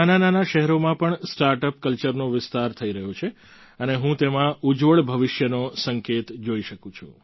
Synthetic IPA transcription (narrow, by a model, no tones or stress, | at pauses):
anananaʃɛɦɛɾomãpəɳsʈaɾʈəpkəlt͡ʃəɾnoʋɪst̪aɾt̪ʰəiɾəɦot͡ʃʰe | əneɦũt̪emãud͡ʒʋəɭbʱəʋɪʃjənosəŋket̪d͡ʒoiʃəkũt͡ʃʰṵ̃